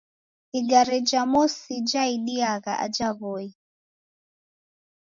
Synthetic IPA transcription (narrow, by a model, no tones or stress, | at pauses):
iɡaɾid͡ʒamɔsid͡ʒaiɗiaɣa̰ʔa̰d͡ʒaβɔi